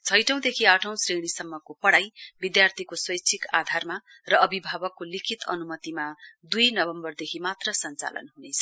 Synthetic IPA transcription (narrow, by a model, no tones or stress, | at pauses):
t͡sʰʌjʈʌ̃w̃d̪ekʰiaʈʰʌ̃w̃sriɽ̃isʌmːʌkopʌɽajbid̪jart̪ʰikoswʌjt͡sʰika̰d̪ʱarma | rʌʌbʱibʱabʌkːolikʰit̪ʌ̰numʌt̪imad̪ujnʌbʌmbʌrd̪ekʰimat̪rʌsʌnt͡sa̰lʌ̰nɦunet͡sʰʌ̥